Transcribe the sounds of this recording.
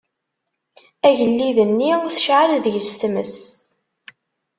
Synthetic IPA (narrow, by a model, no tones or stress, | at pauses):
æʝəlːiðənːiθʃʕəlðəʝəst̪mə̰s